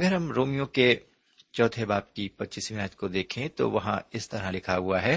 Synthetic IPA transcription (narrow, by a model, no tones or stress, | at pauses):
ɐɡəɾɦɐmɾoːmijõke | t͡ʃɔːt̪ʰebaːb̚kipɐtːt͡ʃismɪnəːt̪kod̪eːkʰẽt̪o̰ʋɐɦã̰ɪst̪ɐɾɦalɪkʰaɦʊaɦɛː